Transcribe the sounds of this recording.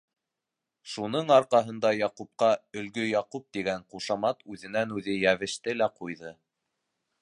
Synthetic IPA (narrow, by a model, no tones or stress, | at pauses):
ʃunɤɴɑɾqɑɦɤ̆nd̪ɑjɑqup̚qɑɵ̆lɡɵjɑqup̚t̪iɡæɴquʃɑmɑt̪ʉðɘ̆nænʉðɘjæβɘ̆ʃt̪ɘlæqujðɤ